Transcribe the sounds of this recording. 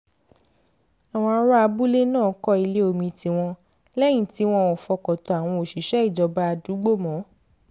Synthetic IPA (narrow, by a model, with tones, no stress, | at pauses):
a˨w̃ɔ̃˧a˧ɾa˦a˧bu˦le˦nãː˦˨˦kɔ˦i˧le˦o˨mĩ˧ti˧w̃ɔ̃˧ | lɛ˦j̃ĩ˦˨ti˨˦w̃ɔ̃˦˨ɔ˨fɔ˧kɔ˨tɔ˧a˨w̃ɔ̃˧o˨ʃi˨˦ʃɛ˦i˦˨d͡ʒɔ˨˧ba˦a˧du˨˦ɡ͡bo˦˨mɔ̃˨˦